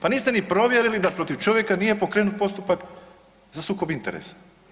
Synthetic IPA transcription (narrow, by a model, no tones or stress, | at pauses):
paniːst̪e̞nipɾo̞ʋje̞ɾilid̪apɾo̞t̪iʋt͡ʃo̞ʋje̞kanije̞po̞kɾeːnut̪̚po̞st̪upak | zasuːko̞bint̪ḛɾḛsḁ